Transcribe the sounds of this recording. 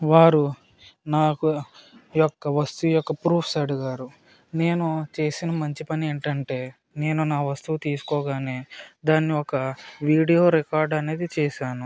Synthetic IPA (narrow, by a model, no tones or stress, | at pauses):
ʋaːɾu | naːkujɔkːɐʋɐst̪ujɔkːɐpɾuːpʰsɐɽuɡaːɾu | ne̞ːnut͡ʃe̞ːsinɐmɐɲt͡ʃipɐnieːɳʈɐɳʈe̞ː | ne̞ːnunaːʋɐst̪uʋt̪iːsu̥kɔːɡaːneːd̪aːnːiɔkɐʋiːɽijo̞ːɾekaːɾɖɐne̞ːd̪it͡ʃɛːʃaːnu